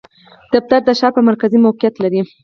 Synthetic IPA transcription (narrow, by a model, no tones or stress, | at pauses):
d̪̥af̚t̪aɾd̪əʃɑɾpəmaɾkazimawqijat̪laɾi